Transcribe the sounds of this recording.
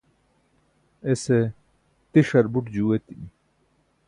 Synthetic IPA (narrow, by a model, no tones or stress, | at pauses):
ese | t̪iʂɐɾbuʈd͡ʑuwet̪ii